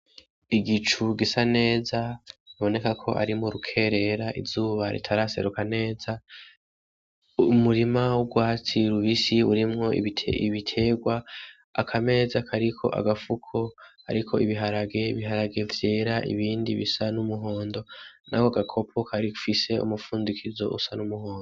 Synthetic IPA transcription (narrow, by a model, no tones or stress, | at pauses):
iɡit͡ʃuɡisane̞ːzaiβo̞ne̞kakʰo̞̰ʔa̰ɾimuɾukʰe̞ɾe̞ɾaʔḭvz̥uːβaɾḭtʰaɾase̞̰ɾukane̞ːza | umuɾimawuɡwaːt͡siɾuβisiuɾimŋo̞ḭiβitʰe̞ːɡwaː | kʰame̞ːzakʰaɾikʰo̞̰ʔa̰ɡafukʰoha̰ɾikʰo̞iβiɦaɾaɡe̞βiɦaɾaɡe̞vje̞ːɾaʔḭβiːndiβisanumuɦo̞ːndo̞nʔa̰koaɡakʰo̞pʰokʰaɾifise̞ṵmufuːndikʰizo̞̰ʔṵsanumuho̞ːndo